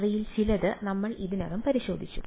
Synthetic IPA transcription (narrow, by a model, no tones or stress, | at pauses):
rijilt͡ɕilɐðɨnɐmːɐɭiðinɐɣɐmpɐɾiɕo̞ːd̪ʱit͡ɕːu